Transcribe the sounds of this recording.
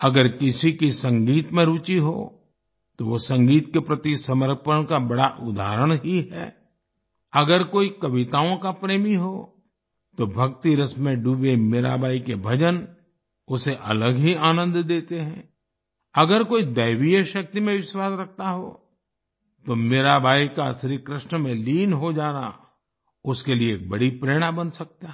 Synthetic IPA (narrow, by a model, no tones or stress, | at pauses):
ɐɡəɾkɪsikisɐ̃ŋɡiːt̪mẽɾuːt͡ʃiɦo̰ | t̪oʋosɐ̃ŋɡiːt̪kepɾɐt̪isɐməɾ̚pəɽ̃kabɐɽaʔʊd̪ʱa̰ːɾəɽ̃ɦiɦɛ̰ː | ɐɡəɾkoːikɐʋɪt̪aːõkapɾeːmiɦoː | t̪obʱɐkt̪iɾəsmẽɖuːbemeɾa̰ːbaːikebʱɐd͡ʒən | ʊseʔɐ̰ləɡɦiaːnə̃nd̪d̪eːt̪eɦɛ̃ | ɐɡəɾkoːid̪ɐjʋijəʃɐk̚t̪imẽʋɪʃwaːsɾɐk̚ʰt̪aɦo̰ː | t̪omeɾabʱaːikasɾikɾɪʃnəmẽliːnɦod͡ʒaːna̰ | ʊskelieːk̚bɐɽipɾeːɽ̃abɐnsɐk̚t̪a